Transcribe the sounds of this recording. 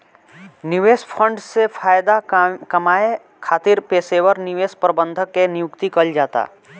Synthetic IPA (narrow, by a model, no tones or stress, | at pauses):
niʋeːspʰə̃ɳɖsepʰaːjd̪akɐmaːe | kʰaːt̪iɾpeːsewəɾnɪʋeːspɾəbə̃nd̪ʱəkːenɪjʊkt̪ikəld͡ʒaːt̪a̰ː